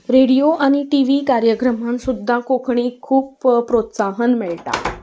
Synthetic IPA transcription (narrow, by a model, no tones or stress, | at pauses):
ɾeɽijoʔaɽ̃iʈiʋikaɾjəkɾəmansud̪ʱːakokʰɳiːkʰuːppɾot̪saɦənmeɭʈa̰